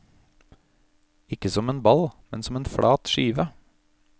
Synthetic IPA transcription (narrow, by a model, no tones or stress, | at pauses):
ɪkəsɔmeːnbɑlmɛnsɔmeːnfɽʔɑːt̪ʃiːʋə